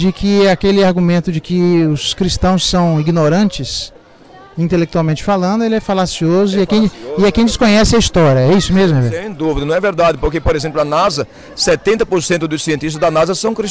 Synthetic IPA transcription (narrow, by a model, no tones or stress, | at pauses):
d͡ʒɪkʰɪakelɪaɾɡũmẽnt̪ʊd͡ʒɪkɪʊskɾist̪ɐ̃w̃sːɐ̃w̃iɡnoɾɐ̃nt͡ʃɪs | ĩnt̪elek̚t̪uawmẽnt͡ʃɪ̥falɐ̃nd̪ʊelɪɛfalasiozʊɪɐkẽj̃ɪɐkẽj̃d͡ʒɪskõɲɛsɪɐist̪ɔɾjɐɛisʊmezmʊɛvɛẽd̪uvid̪ɐnɐ̃w̃ɛveɾd̪ad͡ʒ̪ɪpoɾkepoɾezẽmplʊɐnazɐ | sɛt̪ẽnt̪ɐpoɾsẽnt̪ʊd̪ʊsiẽnt̪ist̪ɐzd̪ɐnazɐsɐ̃w̃kɾi